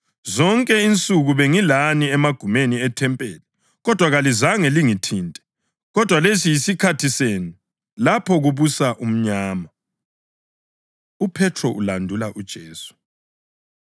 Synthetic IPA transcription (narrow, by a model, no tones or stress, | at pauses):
zɔŋkʼɛint͡sʼuɣuβeŋilaniɛmaɡ̥ʱumeniɛtʰɛmpʼeːlɛ | ɣɔd̥ʱwaɣalizaŋɛliŋitʰiːntʼɛ̥ | ɣɔd̥ʱwalesijisikʰatʰisenu | lapʰɔɣuβusaʔum̩ɲaːma | upʰɛtʰrɔʔulandʱulaʔud̥ʒ̥ʱeːsu̥